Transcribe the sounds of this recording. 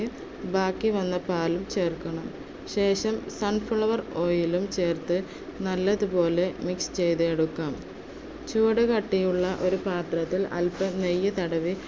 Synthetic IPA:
ɨ | baːkːiʋɐnːɐpaːlumt͡ɕe̞ːrkːɐɳɐm | ɕe̞ːʂɐmsɐnfuɭɐʋɐro̞ːjilumt͡ɕe̞ːrt̪ɨ | nɐlːɐðupo̞ːle̞mikst͡ɕe̞jt̪ɨeɽukːaːm | t͡ɕuːɽɐkɐʈːijuɭːɐʔo̞ɾupaːt̪rɐt̪ːilɐ̰lpɐmnejːɐt̪ɐɽɐʋi

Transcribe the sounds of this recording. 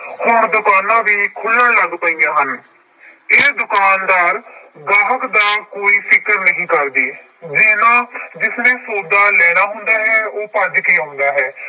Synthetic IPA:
hoːɾd̪ʊkaːnãːʋiːkʰʊlːənləɡpəiːãːɦən | eːd̪ʊkaːnd̪aːɾɡaːɦəkd̪aːkoːiːpʰɪkəɾnəɦĩːkəɾd̪iː | d͡ʒeːnãːd͡ʒɪsnẽːsoːd̪aːlɛːɽ̃aːɦʊ̃nd̪aːɦɛːoːpəd͡ʒkiːɦʊ̃nd̪aːɦɛː

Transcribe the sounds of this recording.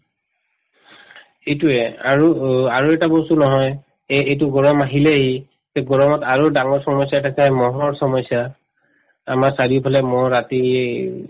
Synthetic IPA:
ejtuɛa̰ɹuaɹuɛtabɔsunɔɦɔj | eetʊɡɔɹɔmaɦilɛaɦi | zɛɡɔɹɔmɔtaɹudaŋɔɹsɔmɔsjaɛtasajmɔɦɔɹsɔmɔsja | amaɹsaɹiʊpʰalɛmɔɹati

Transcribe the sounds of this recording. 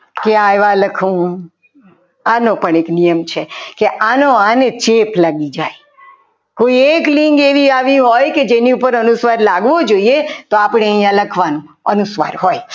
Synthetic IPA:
keaeʋaləkʰũ | anopəɳeknijəmt͡ʃʰekeʔanoanet͡ʃepʰlaɡid͡ʒaj | koieklĩŋɡeʋiaʋĩɦojked͡ʒeniupəɾənusʋaɾlaɡʋod͡ʒoiet̪oapɽeəijãləkʰʋanũ | ənusʋa̰ɾɦoj

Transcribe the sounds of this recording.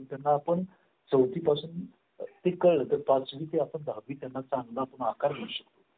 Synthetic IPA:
t̪janːaːpəɳ | t͡səwt̪iːpasuːn | t̪ekəɭət̪əɾpãt͡sʋiːt̪eapəɳd̪ʱaʋiːt̪janːat͡saŋɡlaːpəɳakaɾm̤əɽɕəkt̪o

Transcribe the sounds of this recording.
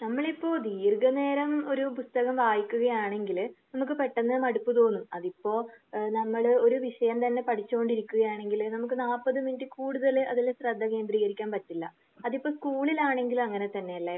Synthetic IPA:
nɐmːɐɭipːo̞ːd̪iːrɡɐne̞ːɾɐmo̞ɾupust̪ɐɣɐmʋaːjikʲːuɣɐjaːɳe̞ŋɡilnɐmukːɨpe̞ʈːɐnːɨmɐɽupːɨt̪o̞ːnːuɐðipːo̞ːnɐmːɐɭo̞ɾuʋiʂɐjɐmt̪ɐnːe̞pɐʈʰit͡ɕːuko̞ɳɖiɾikʲːuɣɐjaːɳe̞ŋɡilnɐmuk̬ːɨnaːpːɐðɨminʈːikuːɽuðɐlɨʔɐðilɕrɐd̪ʱːɐke̞ːnd̪riːɣɐɾikʲːaːnpɐtːilːɐ | ɐðipːo̞ːskuːɭilaːɳe̞ŋɡilɐŋːɐne̞t̪ɐnːe̞jɐɭːe

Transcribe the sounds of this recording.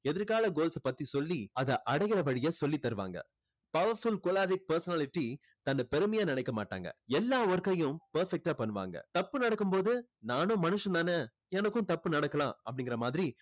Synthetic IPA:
ɛðɪɾkaːlɐɡoːlsɐpɐt̪ːisɔlːiɐðɐʔɐɽɐjɣɪɾɐʋɐɻɪjɐsɔlːit̪ːɐɾɯʋa̰ːŋɡɐ̰ | pɐʋɐɾfʊlkoːlaːɾɪk̚pɐɾsɐnaːlɪʈːi | t̪ɐnːɐpɛɾɯmɐjaːnɪnɐɪkːɐma̰ːʈːa̰ːŋɡɐ̰ɛlːaːʋɔɾkːɐjʊ̃pɐɾfɛk̚ʈaːpɐɳːɯʋa̰ːŋɡɐ̰t̪ɐpːɯnɐɽɐkːɯmpoːðɯnaːnʊ̃mɐnɯʂɐ̃nt̪aːnɐ | ɛnɐkːʊ̃t̪ɐpːɯnɐɽɐkːɐlãːɐpːɐɽɪŋɡɪɾɐmaːðɪɾi

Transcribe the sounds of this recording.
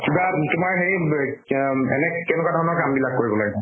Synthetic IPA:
kibatʊmaɹɦei | ɛ̰nɛkɛnɛkwadʱɔɹɔnɔɹkambilakːoɹibɔla̰ɡɛna

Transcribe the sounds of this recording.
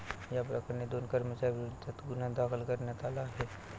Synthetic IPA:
japɾəkɾned̪oːnkəɾmət͡ʃaːibɪʊd̪ət̪ɡʊnad̪aːxəlkəɾnet̪aːlaɦɛː

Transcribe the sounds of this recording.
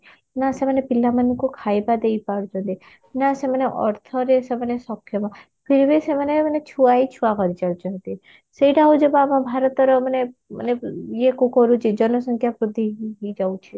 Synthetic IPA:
nasemanepilamankukʰajbad̪ejpaɽd͡ʒɔnt̪i | nasemaneʔɔɾt̪ʰɔɾesemanesɔkʰːjɔmã | pʰiɾibʱisemanemanet͡ʃʰuait͡ʃʰuakɔɾit͡ʃaɽd͡ʒɔnt̪i | seiʈaɦud͡ʒɔbamãbʱaɾɔt̪ɔɾɔmanemə̰neekukɔɾut͡ʃʰid͡ʒɔnɔsɔŋkʰjapɾud̪ʱiɦid͡ʒawt͡ʃʰi

